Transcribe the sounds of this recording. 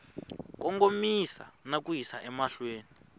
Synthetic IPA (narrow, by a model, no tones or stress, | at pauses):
kɔŋɡomisa̰nakujisaʔɛmaɬweːni